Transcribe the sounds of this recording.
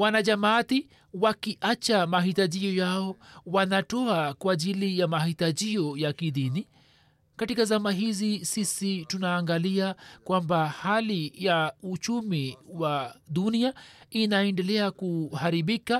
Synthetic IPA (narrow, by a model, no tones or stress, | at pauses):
wanaʄamaati | wakiʔat͡ʃamaɦitaʄijɔjaɔwanatɔakwaʄilijamahitaʄiɔjakiðini | katikazamaɦizisisitunaːŋɡaliakwambahalijaut͡ʃumiwaɗuniainaɛndɛlɛakuhaɾiɓika